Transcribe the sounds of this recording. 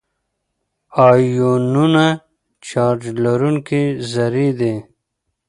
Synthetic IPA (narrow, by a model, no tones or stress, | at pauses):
aːjununa | t͡ʃaːɾd͡ʒlɐɾunkezɐɾid̪e